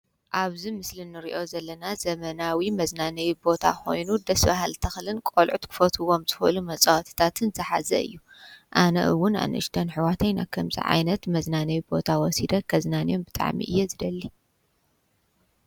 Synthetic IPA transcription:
ʔaβzimɨslɨnːɨɾiʔo̞zɐlːɐnazɐmɐnawimɐznanɐjibo̞t̪ʰa̰ko̞̰jnud̪ɐsbahalt̪ʰɐxlɨnkʼolʕut̪kʰɨ̥fɐt̪ʰɨwo̞mzɨxʔɨlumɐt͡sʼɐwɐt̪ʰi̥t̪ʰat̪ʰɨnzɨħa̰zɐ̰ɨ̰jːu | ʔanɐ̰ʔɨwːʊnʔa̰nʔɨ̰ʃt̪ʰɐnħɨwat̪ʰɐjna̰kʰɐmzḭʕa̰jnɐt̪mɐznanɐwibo̞t̪ʰawɔsid̪ɐkʰɐznanijo̞nbɨt̪ʼa̰ʕmḭʔɨjːezɨd̪ɐlːi

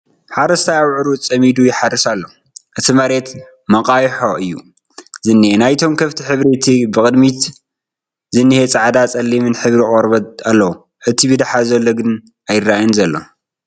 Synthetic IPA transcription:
ħaɾɐst̪ʰajawʕɾut͡sʼːɐmid̪ujɪħarːisalːo | ʔɨt̪ʰimɐɾe̞t̪ | mɐqʼajħoʔɨjːṵ | zɨnːienajt̪ʰo̞mkʰɐft̪ʰiħɨβɾit̪ʰibɨkʼɨd̪mit̪ | zɨnːɨhet͡sʼaʕd̪at͡sʼɐlːimɨnħɨβɾikʼoɾbɐt̪alːɐwu | ʔɨt̪ʰibid̪aħazɐlːoɡɨn | ajɪrːajinzɐlːo̰

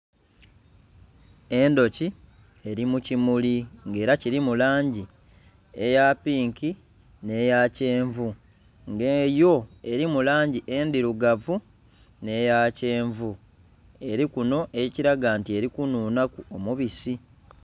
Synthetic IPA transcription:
e̞ndo̞ci | e̞ɾimucimuliŋɡe̞ːɾaciɾimulaːɲɟi | e̞japiːŋki | ne̞jace̞ːɱvu | ŋɡejo̞e̞ɾimulaːɲɟiʔeːndiɾuɡavu | ne̞jace̞ːɱvu | e̞ɾikuno̞ʔe̞ciɾaɡaːntie̞ɾikunuːnakuomuβisi

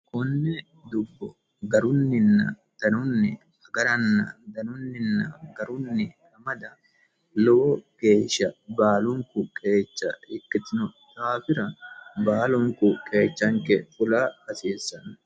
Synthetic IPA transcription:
kʼʊnːɛ | d̪ʊbːɔ | ɡɐɾʊnːɪnːɐ̰ | d̪̥ɐnʊnːɪ | ɐɡɐɾɐnːɐ̰d̪ɐnʊnːɪnːɐɡɐɾʊnːɪhɐmɐd̪ɐ | lɔɔke̞ːʃːɐbaːlʊŋkʊkʼe̞ːt͡ʃːɐɪkʼːɪt̪ɪnʊt̪aːfɪɾɐbaːlʊŋkʊkʼe̞ːt͡ʃːɐŋkɛfʊlaːkɐseːsːɐn

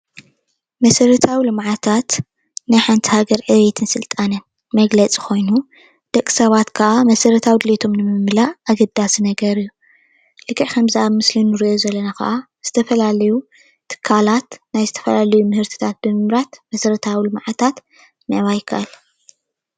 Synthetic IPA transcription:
mɐsɐɾɐt̪ʰawilɨmʕat̪ʰat̪ | najħant̪ʰi̥haɡɐɾʕɨβet̪ʰɨnsɨlt̪ʼanɨn | mɐɡlɐt͡sʼi̥kʰo̞jnu | d̪̥ɐkʼːi̥sɐβat̪kʰɐʔamɐsɐɾɐt̪ʰawid̪ɨlet̪ʰo̞mnɨmɨmlaʔaɡɐd̪ːasinɐɡɐɾɨjːu | lɨkʰʼːɨʕkʰɐmzɨʔaβmɨslinːɨɾiʔo̞zɐlːɐnakɐ̰ʔa | z̥ɨt̪ʰɐfɐlalɐju | t̪ʰɨ̥kʰːalat̪najzɨt̪ʰɐ̥fɐlalɐjumɨhɨɾt̪ʰi̥t̪ʰat̪̚b̥ɨmɨmɾat̪mɐsɐɾɐt̪ʰawilɨmʕat̪ʰat̪ | nɨʕβajkʰa̰ʔal

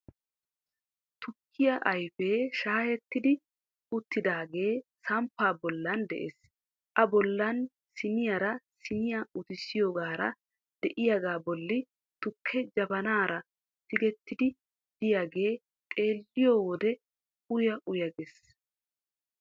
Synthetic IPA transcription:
t̪ʊkʰːɪjɐʔɐjfeːʃaːhɛt̪ːɪd̪ɪ | ʊt̪ːɪd̪aːɡe̞ːsɐmpːaːbɔlːɐnd̪ɛ̰ʔeːs | ʔɐbɔlːɐn | sɪnɪjɐɾɐsɪnɪjaʊt̪ɪsːɪjoːɡaːɾɐ̰ | d̪̥ɛʔɪjaɡaːbɔlːɪ | t̪ʊkʰːɛd͡ʒɐbɐnaːɾɐ | sɪɡɛt̪ːɪd̪ɪ | d̪̥ɪjaːɡe̞ː | t̪ʼe̞ːlːɪjoːwɔd̪ɛ | ʊjɐʔʊjɐɡes

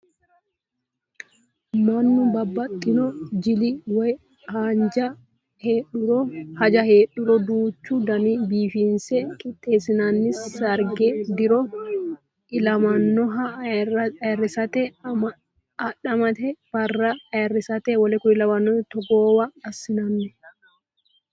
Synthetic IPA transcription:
manːʊbɐbːɐt̪ʼːɪnɔd͡ʒɪlɪwɐj | haːɲd͡ʒɐ | heːᶑʊɾɔhɐd͡ʒɐheːɗʊɾɔd̪uːt͡ʃːud̪ɐnibiːfinsɛkʼɪt̪ʼːe̞ːsɪnanːɪsːɐɾɡed̪ɪɾɔ | ɪlɐmɐnːɔɦɐ | rːɪsɐt̪ɛ | ɐᶑɐmɐt̪ɛbɐrːɐrːɪsɐt̪ɛwɐlɛkʊnɪlɐmɐnːɔt̪ɔɡoːwɐɐsɪnɐnːɛ

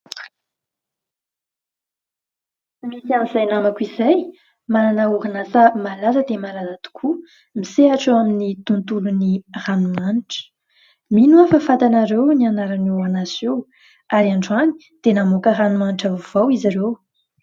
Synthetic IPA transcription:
misianizajnamakuizaj | mananəuɦanasəmalazəd̪emalazat̪u̥kʰu | miseaʈ͡ʂuaminit̪unt̪uluniranumaniʈ͡ʂə̥ | minuafafat̪anaɾewnianaɾanuanasew | aɾiaɳɖ͡ʐuani̥ | d̪̥enamokəranumaniʈ͡ʂavuvawizaɾew

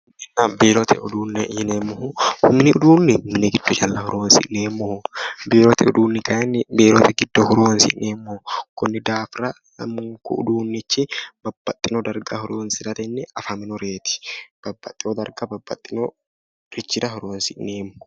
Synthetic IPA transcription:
ɛnːaːbeːɾɔt̪ʰɛ̰ʔʊd̪uːnːɛjɪnemːʊɦʊhʊmɪnɪʊd̪uːnːɪmːɪnɛɡɪd̪̥ːɔt͡ʃɐlːɐhʊɾowɐnsɪ̰ʔneːmːɔhʊbeːɾɔt̪ɛʊ̰d̪uːnːɪkɐɐnːbeːɾot̪ɛɡɪd̪ːɔhʊɾowɐnsɪ̰ʔneːmːokʊnːɪd̪aːfɾɐ | ɐmːʊŋkʊ̰ʊ̰d̪uːnːɪt͡ʃːɪb̥ɐbːɐt̪ʼːɪnɔd̪ɐɾɡɐhʊɾoɐnsɪɾɐt̪ɛnːɛɐfɐmɪnɔɾeːt̪ɪ̥b̥ɐbːɐt̪ʼːɪɔd̪ɐɾɡɐbɐbːɐt̪ʼːɪno | ɾɪt͡ʃːɪɾɐhʊɾoɐnsɪʔnːeːmːʊ̥

